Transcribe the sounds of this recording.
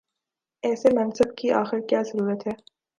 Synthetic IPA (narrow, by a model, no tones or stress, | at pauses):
ɛːsemɐnsəbkia̰ːxɪɾkjaːzɐɾuːɾət̪ɦɛː